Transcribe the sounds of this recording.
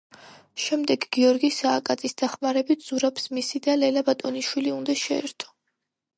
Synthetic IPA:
ʃɛmd̪ɛɡɡiɔɾɡisaːkʼat̪sʼisd̪aχmaɾɛbit̪ʰz̥uɾabsmisid̪alɛlabat̪ʼɔniʃwiliund̪aʃɛɛ̰ɾt̪ʰɔ̥

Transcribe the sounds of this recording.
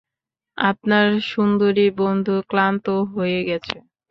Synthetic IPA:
a̰pnaɾʃund̪oɾibond̪ʱuklant̪oɦojeɡɛt͡ɕʰe

